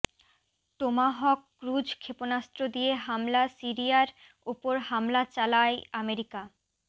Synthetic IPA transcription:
t̪omaɦɔkːɾud͡ʑkʰeponast̪ɾod̪ijeɦamlasiɾijaɾ | upoɾɦamlat͡ɕalaeameɾika

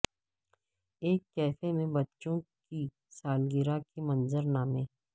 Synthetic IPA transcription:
eːkːɛːfemẽbətːt͡ʃõki | saːlɡɪɾakemənzəɾnaːmẽː

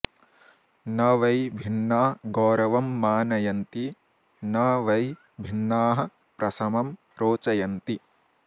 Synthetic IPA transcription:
nɐʋɐjbʱinːaːɡɔːɾɐʋɐmːaːnɐjɐnt̪i | nɐʋɐj | bʱinːaːɦɐ̆ | pɾɐsɐmɐm | ɾoːt͡ʃɐjɐnt̪i

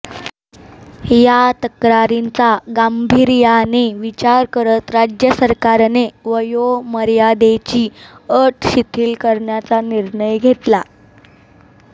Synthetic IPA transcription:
jat̪əkɾaɾint͡saɡambʱiɾjaneʋit͡ɕaɾkəɾət̪ɾad͡ʑjəsəɾkaɾneʋəjoməɾjad̪et͡ɕiːəʈɕit̪ʰiːlkəɾɳjat͡saniɾɳəjɡʱeʈ̪la

